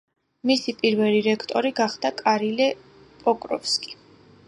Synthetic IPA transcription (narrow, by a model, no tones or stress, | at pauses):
misipʼiɾvɛliɾɛkʰt̪ʼɔɾiɡaχd̪̥akʼaɾilɛ | pʼɔkʼɾɔ̰fskʼi̥